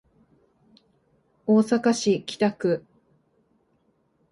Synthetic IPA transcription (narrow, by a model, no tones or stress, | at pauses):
oːsakaɕikʲʰi̥t̪akɯ̟